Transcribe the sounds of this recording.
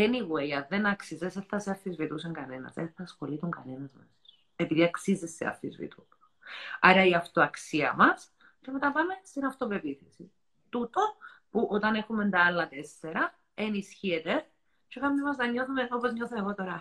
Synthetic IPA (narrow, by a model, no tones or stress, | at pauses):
eniɣuejɐðe̞nɐksizeseθɐseɐɾθizvit̪us̬eŋɡɐnenɐ̰seθɐsxo̞lit̪uŋɡɐnenɐzmeso̥s | e̞piðiɐksizesːḛɐ̰ɾθḭzvḭt̪u | ɐ̰ɾɐiɐft̪oɐksiɐmɐs | cemet̪ɐpɐme̞st̪inɐft̪o̞pe̞piθesi | t̪ut̪o̞puʔot̪ɐne̞xumend̪ɐɐlːɐt̪esːeɾɐ | enisçiet̪e | t͡ʃokɐmmimɐzðɐɲːo̞θumenopozɲoθoeɣo̞t̪o̞ɾɐ